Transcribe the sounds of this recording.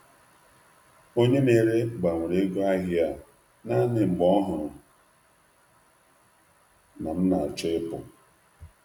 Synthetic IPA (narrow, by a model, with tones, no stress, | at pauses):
o˦ɲe˦ne˨ɾe˦ɡ͡ba˨ŋ̩ʷ˨ɾe˦ɡo˦a˦ɦɪ˦a˦ | na˦nɪ˨ŋ͡m̩˨ɡ͡bɔ˦ɦʊ˨ɾ | na˨m̩˦na˨t͡ʃɔ˦ɪ˦pʊ˨